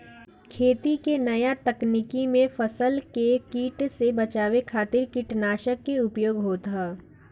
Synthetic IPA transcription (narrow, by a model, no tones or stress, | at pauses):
kʰeːt̪ikenɐjat̪ɐknikimẽfəsəlkekiːʈsebɐt͡ʃaːwekʰaːt̪ɪɾkɪʈnaːʃəkːeʊpjoːɡɦoːt̪ɦaː